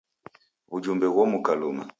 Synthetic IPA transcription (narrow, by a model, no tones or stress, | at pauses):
ud͡ʒumbɛwɔmukaluma̰